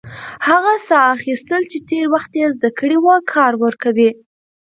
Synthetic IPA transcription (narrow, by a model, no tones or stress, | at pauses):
haɣasɑːxist̪əlt͡ʃet̪eɾwaxt̪jezd̪akəɽiwəkʰɑɾwəɾkawi